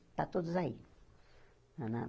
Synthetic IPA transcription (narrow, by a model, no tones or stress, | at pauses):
t̪at̪ozai | nãnã̰